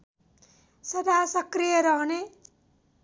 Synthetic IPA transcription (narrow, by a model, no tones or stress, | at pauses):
sʌd̪ʱasʌkrijʌɾʌɦne